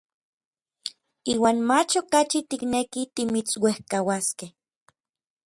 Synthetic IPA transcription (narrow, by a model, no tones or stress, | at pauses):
iːwaːnmat͡ʃokat͡ʃit̪iknekit̪imit͡swehkawaskeh